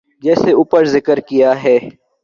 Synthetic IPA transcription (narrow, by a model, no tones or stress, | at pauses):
d͡ʒɛːseuːpəɾzɪkəɾkijaɦɛː